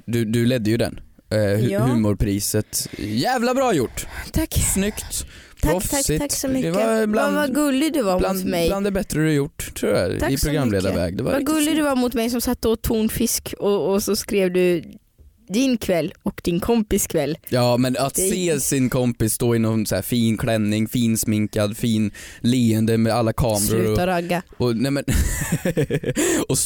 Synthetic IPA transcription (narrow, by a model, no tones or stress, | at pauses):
d̪ɵd̪ɵlɛd̪ːəjɵd̪ɛ̰n | hʉ̟ːmʊɾpʰɾiːsət̪jæːvlabɾɑːjʊʈːt̪ʰakːsnʏkt̪ʰ | ɾɔfɪasɔmʏd̪ɛvb̪aavaɡɵlːɪɡd̪ɛvaɾanmɛjland̪ɛbɛt̪ɾəd̪ɵajʊʈːt̪ʰːɾuːa̰ɾʰaɪɾʊɡɾamːleːd̪aɾvɛ̰ːɡd̪ɛva̰ɾvaɡlːɪd̪ɛvaɾmʊt̪mɛjsɔmsat̪ːəɔt̪ʰːuːɳfɪskɔːsɔskɾeːvd̪ɵ | d̪ɪnkʰvɛlːɔkd̪ɪnkʰɔmpɪskʰvɛlːjɑːmɛnat̪sseːsɪnkʰɔmpɪsːt̪oːɪnːɔnsæ̰ːfiːnkʰlɛnːɪŋfiːnsmɪŋkad̪fiːnliːənd̪əmɛalːakʰɑːmɾʊʉɾːɔɾaɡːaɔnɛmɛn | ɔ